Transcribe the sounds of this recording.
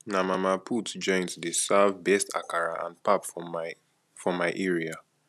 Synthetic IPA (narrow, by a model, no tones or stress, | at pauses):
namamapʰutd͡ʒɔ̃ɪ̃ntdesavbɛstʰa̰kaɹaʔã̰npap | fɔmaɪʔɛɹia